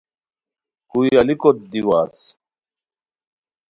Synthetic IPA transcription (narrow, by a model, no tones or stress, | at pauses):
kujalikɔt̪d̪iwaːs